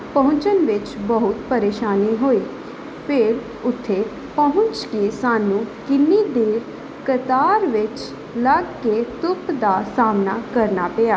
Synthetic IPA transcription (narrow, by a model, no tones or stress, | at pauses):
pəɦʊ̃ɲt͡ʃənʋɪt͡ʃbəɦʊt̪pəɾeːʃaːniːɦoːiː | pʰɪɾ | ʊt̪ʰːeː | pəɦʊ̃ɲt͡ʃkisaːnũːkɪnːiːd̪eːɾ | kət̪aːɾʋɪt͡ʃ | ləɡːeːt̪ʊpd̪aːsaːmnaːkəɾnaːpejaː